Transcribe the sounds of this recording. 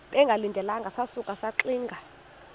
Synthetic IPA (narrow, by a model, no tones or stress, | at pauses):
ɓɛŋɡʱalindʱɛlaŋɡʱasasukʼasaǁiːŋɡʱa